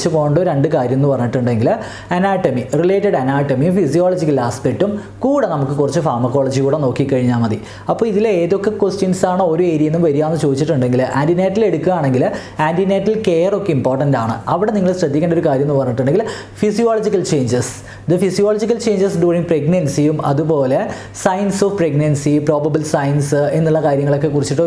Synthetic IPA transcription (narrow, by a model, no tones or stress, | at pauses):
t͡ɕːɨkoːɳɖoɾɾeɳɖɨkaːɾjɐmenːupɐrɐɲːiʈːuɳɖeŋɡil | ɐnaːʈːɐmirile̞ːtːɐɖɐnaːʈːɐmiumfisijoːlɐd͡ʑikːɐlaːspek̚ʈːum | kuːɽenɐmukːɨkurɐt͡ɕːɨfaːrmɐkːo̞ːɭɐd͡ʑikuːɽeno̞ːkːikːɐɻiɲːaːmɐði | ɐpːoːiðileːðo̞kːekwesʈunsaːɳɨo̞ɾoeːɾijenːumʋɐɾijaːnːɐt͡ɕo̞ːðit͡ɕːiʈːuɳɖe̞ŋɡilaːndineːtːile̞ɽukːuɣaːɳe̞ŋɡil | aːndineːʈːilkeːro̞kːeimpoːrʈːɐndaːɳɨ̰ɐʋiɽe̞niŋːɐɭɕrɐd̪jikʲːeɳɖo̞ɾukaːɾjɐmnːɨpɐrɐɲːiʈːuɳɖe̞ŋɡil | fisijoːlɐd͡ʑikːɐlt͡ɕe̞ːɲd͡ʑes | d̪ɨfisijoːlɐd͡ʑik̬ːɐlt͡ɕe̞ːɲd͡ʑɐsɖuːriŋɡpreɡnɐnsijumɐ̰ðupo̞ːle̞ | sɐjnsoʋpreɡnɐnsipro̞ːbɐbilsɐjnsenːuɭːɐkaːɾjɐŋːɐɭo̞kːe̞kurit͡ɕːiʈ̬ːo